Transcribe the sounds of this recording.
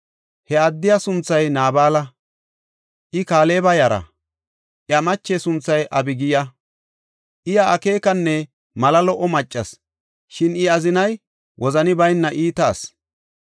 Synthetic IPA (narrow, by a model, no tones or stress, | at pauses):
hɛɐd̪ːɪjasʊnt͡sːɐjnaːbaːlɐ | ʔɪkaːle̞ːbɐjɐɾɐ̰ | ʔjɐmɐt͡ʃːesʊnt͡sːɐjʔɐbɪɡɪjɐ | ʔɪjɐʔːke̞ːkɐnːɛ | mɐlɐlɔʔɔmɐt͡ʃʼːɐs | ʃɪnɪɐzɪnɐj | wʔɔzɐnɪbɐjnːɐʔiːt̪aːs